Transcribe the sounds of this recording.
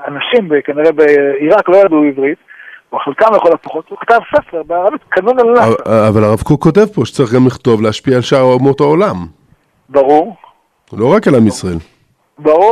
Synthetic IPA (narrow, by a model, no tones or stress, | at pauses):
anaʃimbekaniʁebeiʁaklojad̪uivʁit̪vχelkamjeχolatpoχot̪ukat̪avsefeʁbeaʁavit̪kanunalnaavalaʁavkoko̞te̞vpo̞ʃe̥t͡saʁiχɡamliχt̪o̞vleaʃpiaːlʃaʁmot̪oolam | baʁuʁ | lo̞ʁakalamisʁael | baʁu